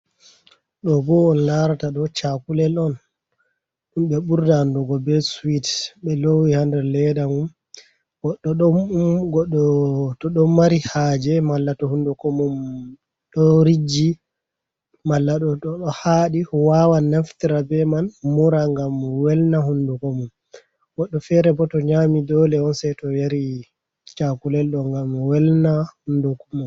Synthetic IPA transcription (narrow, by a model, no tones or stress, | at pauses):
ɗɔbɔɔnlaɾataɗɔt͡ʃakulɛlɔn | ɗumɓɛɓuɾdandɔɡɔbɛswitɓɛlowihandɛɾlɛdamum | ɡɔɗːɔɗɔɡɔɗɔtɔɗɔmːaɾihaːd͡ʒɛmalːatɔhundukɔmɔm | ɗɔɾid͡ʒi | malːaɗɔtɔɗɔhaɗiwawanːaftiɾabɛmanmuɾaŋɡamwɛlnahundukɔmum | wɔɗːɔfɛɾɛbɔtɔɲamidɔlɛɔnsɛjtɔjaɾi | t͡ʃakulɛlɗɔŋɡamwɛlnahundukɔmum